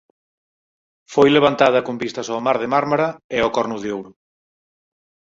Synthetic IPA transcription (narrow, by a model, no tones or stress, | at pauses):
fojleβ̞ant̪að̞ɐkombist̪ɐsoːmaɾðemaɾmaɾɐeɔkɔɾnʊðeowɾʊ